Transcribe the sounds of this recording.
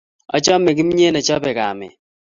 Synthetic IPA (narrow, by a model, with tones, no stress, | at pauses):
ɔ̰˦t͡ʃɔ˦mɛ˨ɡɪ˦m˦ɲe˦nɛ˨t͡ʃɔ˦pɛ˨ka̰˨mɪ̰˨